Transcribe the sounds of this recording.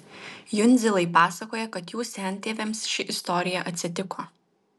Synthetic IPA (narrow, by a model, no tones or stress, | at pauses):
jʊnʲzʲɪlˠɐɪpɑːsɐkoːjɛkɐt̪juːsʲɛnʲt̪ʲeːʋʲɛmsʃʲɪʔɪst̪ɔɾʲɪjɛʔɐt̪ʲsʲɪt̪ʲɪkʰoː